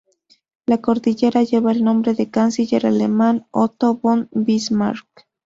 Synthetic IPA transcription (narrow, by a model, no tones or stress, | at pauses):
lakoɾðiʝeɾaʝeβaelnombɾeðekansiʎeɾalemanot̪oβonbismaɾk